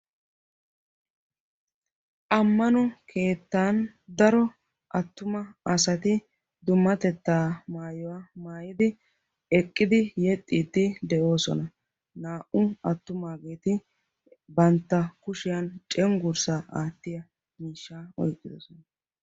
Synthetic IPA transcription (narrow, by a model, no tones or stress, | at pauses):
ʔɐmːɐnɔkʰe̞ːt̪ːaːn | d̪ɐɾɔ | ʔɐt̪ːʊmɐɐsɐt̪ɪ | d̪ʊmːɐt̪ɛt̪ːaːmaːjɔwamaːjɪd̪ɪ | ɛkʼːɪd̪ɪjɛt̪ʼːiːt̪ːɪd̪ɛʔo̞ːsɔ̰nɐ | naːʔʊɐt̪ːʊmaːɡeːt̪ɪ | bɐnt̪ːɐkʊʃɪjɐnt͡ʃʼɛŋɡʊɾsaːʔaːt̪ːɪjɐ | miːʃːaːɔ̰jkʼːɪd̪ɔsɔnɐ